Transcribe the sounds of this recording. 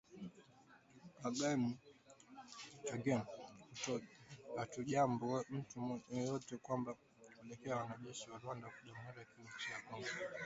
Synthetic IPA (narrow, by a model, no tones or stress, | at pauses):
aɡɛmu | aɡɛnkutɔkatuʄambɔɛm̩tumɛjɔtɛkwamba | kulɛkɛawanaʄɛʃiwalwandakuʄamatakiut͡ʃiakɔmba